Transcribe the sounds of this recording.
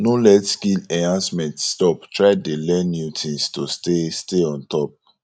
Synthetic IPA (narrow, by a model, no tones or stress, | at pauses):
nolɛtskilɛ̃ãnsmɛ̃ntstɔptɹaɪdelɛ̃njutʰĩnstostesteɔ̃ntɔp̚